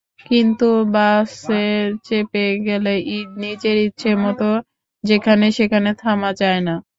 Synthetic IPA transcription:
kint̪ubaset͡ɕepeɡɛleʔiɖ̚nid͡ʑeɾitːɕʰemɔt̪o | d͡ʑekʰaneʃekʰanet̪ʰamat͡ɕaena

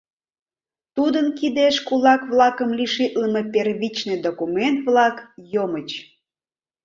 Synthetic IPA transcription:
t̪ud̪ənkid̪eʃkulɑkβlɑkəmliʃit̪ləmeperβit͡ɕned̪okument̪̚βlɑkjomət͡ɕ

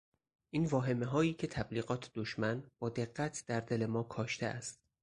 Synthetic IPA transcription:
ʔiːnvɒːɦe̞meɦɒːjiːcʰe̞t̪ʰæbliːɣɒːt̪ʰd̪̥oʃmænb̥ɒːd̪e̞ɢːæt̪ʰd̪̥æɾd̪e̞le̞mɒːkʰɒːʃt̪eʔæ̰st̪

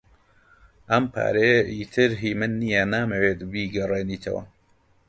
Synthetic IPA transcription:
ʔɐmpʰa̰ːɾeːiːt̪ʰɨɾɦiːmɨnːijɛnaːmeweːt̪biːɡɐreːniːt̪ʰɐ̰wɐ̰

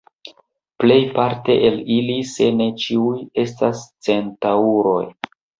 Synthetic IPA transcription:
ple̞jpaɾte̞ʔelilise̞ne̞t͡ʃiuje̞stast͡se̞ntauɾo̞̰j

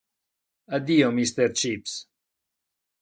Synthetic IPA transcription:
ad̪iomist̪eɾt͡ʃips

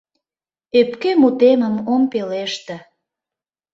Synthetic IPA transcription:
epkemut̪eməmompeleʃt̪ĕ

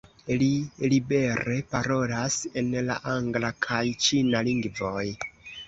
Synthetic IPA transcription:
lilibe̞ɾe̞paɾo̞lase̞nla̰ʔaŋɡlakʰajt͡ʃinaliŋɡvo̞j

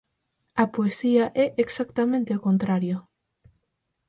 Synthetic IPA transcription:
ɐpoesiaʔɛʔeksakt̪amẽnt̪eokont̪ɾaɾjo

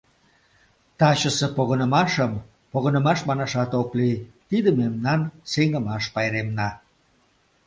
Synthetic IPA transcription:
t̪ɑt͡ɕəsepoɣənəmɑʃəm | poɣənə̆mɑʃmɑnɑʃɑt̪oklit̪id̪əmemnɑnseŋə̆mɑʃpɑjɾemnɑ

